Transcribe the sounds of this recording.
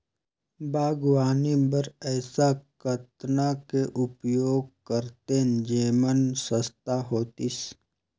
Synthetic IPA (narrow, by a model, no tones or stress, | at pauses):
bʱaːɡwaːnibəɾɛːsakət̪nakeʔʊpjoːɡ̚kəɾt̪ed͡ʒeːmənsəst̪aɦoːt̪is